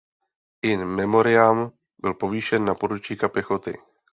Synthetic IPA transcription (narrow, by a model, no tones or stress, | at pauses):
ʔɪnmɛmo̞ɾɪam | bɪlpo̞viːʃɛnːapodut͡ʃiːkapjɛxot̪ɪ̰